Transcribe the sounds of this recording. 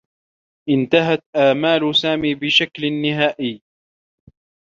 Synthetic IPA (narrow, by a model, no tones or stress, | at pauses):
ʔɪnt̪aɦat̪ʔaːmaːlsaːmiːbɪʃaklnːɪɦaːʔɪjː